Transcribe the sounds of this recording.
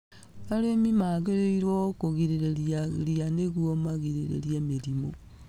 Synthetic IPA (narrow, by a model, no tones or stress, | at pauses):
aɾemimaɣeɾeiɾwokoɣiɾeɾeɾjaɾianeɣwomaɣiɾeɾḛɾjemeɾimo